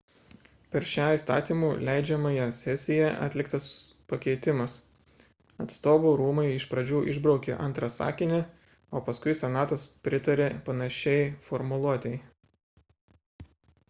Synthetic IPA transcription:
pʲɛɾʃʲæːist̪ɑ̰ːt̪ʲiːmuːlʲɛɪd͡ʒʲɛmɐjɛsʲɛsʲɪjɛʔɐ̰t̪ʲlʲɪkt̪ɐspɐkʲɛɪt̪ʲɪmɐs | ɐt̪st̪oːʋuːɾuːmɐɪɪʃpɾɐd͡ʒʲuːʔɪʒbɾɒʊkʲḛʔɐ̰nt̪ɾɐsɑ̰ːkʲɪnʲɛ | oːpɐskʊɪsʲɛnɑːt̪ɐspʲɾʲɪt̪ɐɾʲepɐnɐʃʲɛɪfɔɾmʊlˠuɔt̪ʲɛɪ

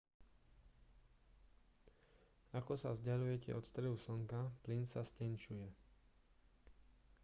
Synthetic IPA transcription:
akɔsa̰vzɟalujɛcɛ̰ʔɔt̪st̪ɾɛɦusɔŋkaplinsascɛnʃujɛ

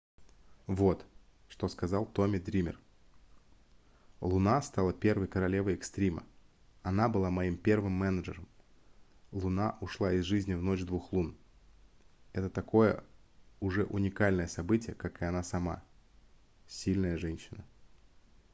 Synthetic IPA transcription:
vo̞t̪ | ʂt̪o̞skɐzalˠt̪o̞mʲɪd̪ɾʲimʲɪ̰r | lˠʊnast̪alˠəpʲe̞rvəjkəɾɐlʲe̞vəjɪkst̪ɾʲimə̰ | ɐnabɨlˠamɐimpʲe̞rvɨmːɛnəʐɨɾəm | lˠʊnaʔʊʂlˠaɪzʐɨzʲnʲɪvno̞t͡ɕd̪vuxlˠun | ɛt̪ət̪ɐko̞jə̰ʊʐɛʔʊnʲɪkalʲnəjəsɐbɨtʲɪjəkakɨɐnasɐma̰ | sʲilʲnəjəʐɛnʲɕɪnə

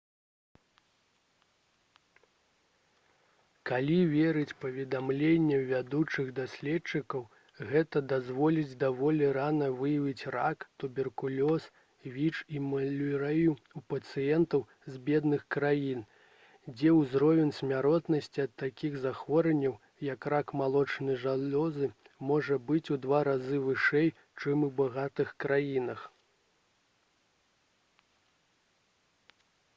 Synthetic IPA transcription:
kalʲivʲɛɾɨt͡sʲpɐvʲɛd̪amlʲenʲːɛvʲad̪ut͡ʂɨɣd̪asʲlʲɛtt͡ʂɨkɐw | ɣɛt̪ɐd̪azvɔlʲid͡zʲd̪avɔlʲɛɾanɐvɨjɐvʲit͡sʲra̰kt̪ubʲɛrkulʲɔs | vʲit͡ʂimɐlʲuɾɛju | upɐt̪sɨjɛnt̪ɐw | zʲbʲɛd̪nɨxkɾajin | d͡zʲɛwzɾɔvʲɛnsʲmʲaɾɔt̪nɐsʲt͡sʲiɐt̪ːakʲiɣzaxvɔɾɛnʲːɐw | jɐkrakmalˠɔt͡ʂnɨʐalʲɔzɨ | mɔʐɐbɨt͡sʲud̪vaɾazɨvɨʂɛj | t͡ʂɨmubaɣat̪ɨxkɾajinɐx

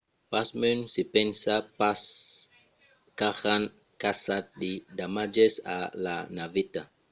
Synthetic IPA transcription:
pasmynsipɛnsapas | kaxan | kasat̚ɗidamad͡ʒesa̰la̰navita

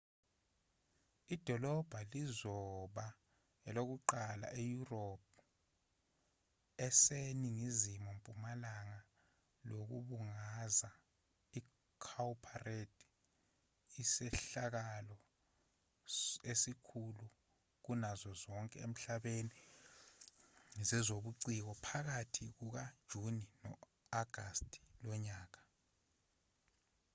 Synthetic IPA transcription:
id̥ʱɔlɔb̥ʱalizɔɓa | ɛlok̬uǃala̰ʔejurop̚ʰ | ɛseniŋizimɔmpʼumalaŋa | lok̬ṵɓuŋaza | i | kʰawpʰaredʱ | isɛɬak̬alɔ | esikʰulu | k̬unazɔzɔŋkʼɛḛm̩ɬaɓeni | zɛzoɓuǀik̬ɔpʰak̬atʰik̬uk̬ad̥ʒ̥ʱuninɔ̰ | aɡ̥ʱastʼi̥lɔɲaːk̬a

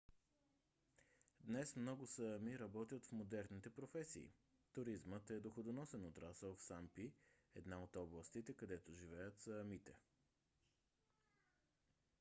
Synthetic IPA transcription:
d̪nɛsmnɔɡʊsəmiɾɐbɔt̪jət̪fmod̪ɛɾnit̪ɛpɾofɛsḭː | t̪ʊɾizmət̪ɛd̪oxod̪onɔsɛnot̪ɾasəlˠfsampiɛd̪naot̪ɔblˠəst̪it̪ɛkɐd̪ɛt̪oʒivɛjət̪səmit̪ɛ

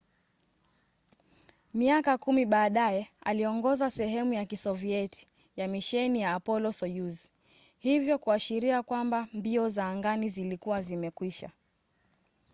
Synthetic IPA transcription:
miakakumiɓaːɗajɛa̰liɔŋɡɔzasɛɦɛmujakisɔviɛti̥ | jamiʃɛnijaːpɔlɔsɔjuzi̥ | hivjɔkuaʃiɾiakwambambiɔzaːŋɡanizilikuwazimɛkwiʃa̰

